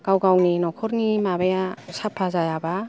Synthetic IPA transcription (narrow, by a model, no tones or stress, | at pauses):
ɡ̥awɡawninɔkʰɔɾnimabajasapʰːazajaba